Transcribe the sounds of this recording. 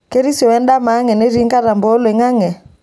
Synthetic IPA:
ke˦ɾi˦sjɔ˨ɛ˦nda˦ma˨˦ŋɛ˨ne˦ɾi˦ŋka˦ɾa˨mbo˦le˨ŋa˦ŋɛ˨

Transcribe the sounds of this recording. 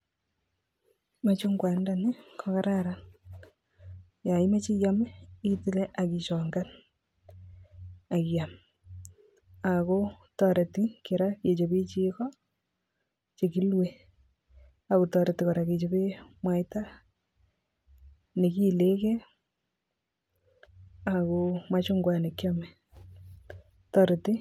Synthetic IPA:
mat͡ʃo˦ŋɡwa˨nda˨ni˦kʰɔka˦ɾaɾa | ja˨i˦ma˦t͡ʃi˦ɣja˦mi˦ti˦le˦ʔa˨ki˨ʃɔ˨ŋɡa˦n | a˨ɣja˨m | a˨ko˦ | tɔ˦ɾe˨ti˦ke˨ɾa˦ke˨t͡ʃo˨βe˦t͡ʃi˦kɔ˦ | t͡ʃe˨ki˦lwe | a˨ko˨tɔɾe˨tɪkɔ˨ɾa˨ke˨t͡ʃo˦bi˦mwa˨jta˦ | ne˨ki˦le˦ke˦ | a˨koma˦t͡ʃʊ˦ŋɡwa˦ne˨kjɔmɛ | tɔ˦ɾe˨ti˦

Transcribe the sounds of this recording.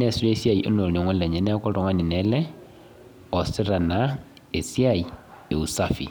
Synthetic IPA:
ne˦˨si˦ɾe˦sja˦i˨ʔo̰˦no˨li˨ŋʷwa˦le˨ɲe˨ne˦ko˦ɾo˨ŋa˦ni˨ne˦lɛ˦ | o˨si˦ɾa˨na˨ | e˨sja˦˨i˨ | e˨u˨sa˦fḭ˨

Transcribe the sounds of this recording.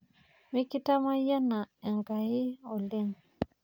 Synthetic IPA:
mi˦ki˦ta˦ma˦ja˦na˨ɛ˨ŋɡa˨ɪ˦ɔ˨le˦ŋ

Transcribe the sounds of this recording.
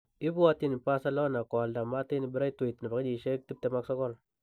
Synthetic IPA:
i˦bu˦wa˦ti˦ni˨pa˦sa˦lo˦na˨kɔ˨lda˨ma˦ti˦ni˨bi˦ɾa˦i˦to˨i˨tn˨ba˨kd͡ʒi˨ʃe˦k̚ti˦b̚te˨ma˦ksɔ˦kɔ˦l

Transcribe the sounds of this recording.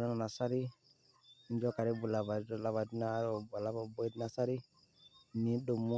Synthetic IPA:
na˦na˨na˨sa˦ɾi˦ | i˦nd͡ʒɔ˦ka˨ɾi˦bu˨la˨ba˨ɔ˦la˨βa˨di˦naː˦˨˦ɾɔ˨ba˨la˦bɔ˨bɔ˦di˦na˨sa˦ɾi˦ | mi˨˦do˨mu˦

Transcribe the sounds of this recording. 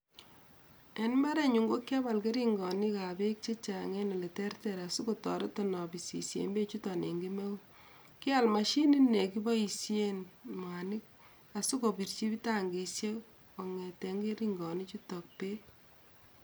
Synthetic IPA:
e˨nma˦ɾe˦ɲu˨ŋɡo˦kːe˦ba˨lke˦ɾi˦ŋɡɔ˨ni˦ka˨be˦k̚t͡ʃe˦t͡ʃa˨ŋe˦nɔ˨le˨tɛ˦rtɛɾa˨su˦ko˨tɔ˨ɾɪ˦tɔ˨nɔ˨bi˨sḭ˨sjḛ˨mbe˦t͡ʃu˦tɔ˨ne˨ŋɡi˦me˦u˦ | ki˦a˨lma˨ʃi˦ni˦ne˨ki˦bɔ˦i˨sje˦nma˨ni˦k̚ | a˨su˦ko˨bi˨rt͡ʃi˦bi˦ta˦ŋɡi˨sje˦ | o˨ŋe˨te˨ŋɡe˦ɾi˦ŋɡɔ˨ni˦t͡ʃu˦tɔ˨k̚pe˦

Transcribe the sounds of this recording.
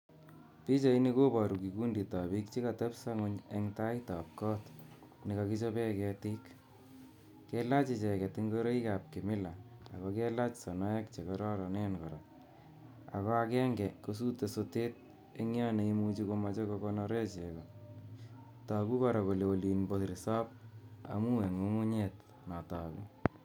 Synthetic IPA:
pi˦t͡ʃa˨i˦ni˦ko˦pɔ˨ɾu˨ki˨ku˦ndi˨ta˨pi˦kt͡ʃi˦ka˨tɛ˦psa˦ŋʊ˦ɲe˦ŋta˦jta˨p̚kɔ˦t | ni˨ka˧ki˦t͡ʃo˦pɛ˦kɛ˧tɪ˦k | ke˦la˦t͡ʃi˨t͡ʃɛ˨kɛ˨tɪŋɡo˦ɾe˦i˦ka˨p̚ki˨mɪ˦la̰ː˨kɔkɛ˦la˦t͡ʃsɔ˨nɔ˦jɛ˦kt͡ʃe˨kɔɾɔ˦ɾɔ˨ne˦nkɔ˨ɾɔ˨ | a̰˨kɔ˦a˦kɛ˦ŋɡɛ˨ko˦s̬u˦te˨so˧te˦t̚ | e˦ŋ˦ɔ˦ne˨i˦mu˦t͡ʃiko˧ma˦t͡ʃo˦ko˧kɔnɔ˦ɾe˦t͡ʃe˨kɔ˨ | ta˨ku˦kɔ˨ɾɔ˨ko˨le˨o˨li˨nbo˨tɾi˨sɔ˦p̚a̰˨mu˦e˨ŋo˦ŋu˦ɲet | nɔ˨ta˨ku˦

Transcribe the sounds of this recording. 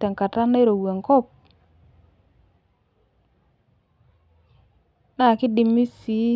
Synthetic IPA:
ta˨ŋka˨ta˦na˦i˦ɾo˨we˨ŋkɔ˦˨p̚ | na˨kɪ˦di˨mi˦si˨˦

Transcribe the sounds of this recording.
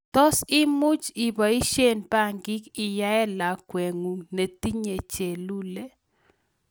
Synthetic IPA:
tɔ˦sɪ˦mʊ˦t͡ʃi˨bɔ˨i˦ʃe˦˨npa˦˨ŋɡɪ˦kɪ˨ja˦ɛ˦la˨kwɛ˨ŋu˨ne˨t̪i˦ɲe˨t͡ʃe˨lu˦le˦

